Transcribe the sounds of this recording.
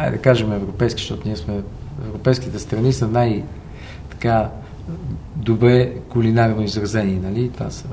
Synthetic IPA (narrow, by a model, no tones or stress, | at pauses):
aj̰d̪ɐkaʒɛmɛvɾopɛjskʲi̥ʃt̪ɔt̪ʊniɛsmɛɛ̰vɾopɛjskʲit̪ɛst̪ɾɐnisənaj | t̪ɐ̥ka | d̪obɾɛkulinaɾnoizɾɐzɛniɛnɐlit̪va̰sə